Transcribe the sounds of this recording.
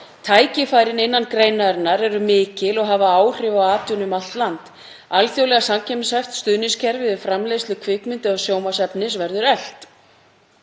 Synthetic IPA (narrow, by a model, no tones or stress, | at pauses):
t̪ʰaːjcɪfaːjɾɪnɪnːankɾejnaɾnaɾɛɾʏmɪːcɪlɔɣɦavaaːwr̥ɪvawaːt̪junʏmalt̪lant̪ | alθjowlɛɣasamcʰɛmsajft̪st̪ʏðnɪscʰɛɾvɪðɪfɾamlejst̪lʏkʰvɪkmʏnt̪ɪɔɣsjoːwmasɛpnɪs̬vɛɾðʏɾɛl̥t̪